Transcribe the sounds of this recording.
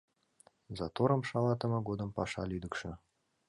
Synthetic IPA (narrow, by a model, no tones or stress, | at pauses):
zɑt̪oɾɤ̆mʃɑlˠɑt̪ɤ̆mɤ̆ɡod̪ɤ̆mpɑʃɑlʲyd̪ə̆kʃɘ̆